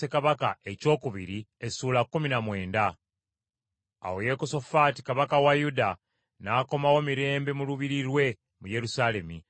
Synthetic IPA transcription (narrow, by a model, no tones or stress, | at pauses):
e̞kaβakae̞co̞ːkuβiɾiesuːlakːuminamwe̞ːnda | woje̞koso̞faːti̥kaβakawajuda | naːko̞mawo̞miɾe̞ːmbe̞muluβiɾiɾwe̞ | muje̞ɾusale̞mi